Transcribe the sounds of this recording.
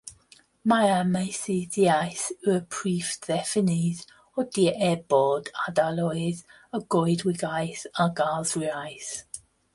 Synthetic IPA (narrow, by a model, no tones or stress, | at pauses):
majamajsiðiajsəəpʰɹifðɛfɪnið | ɔd̥iʔɛbɔdadalɔjð | əɡɔjdwɪɡajsaɡazɹiajθ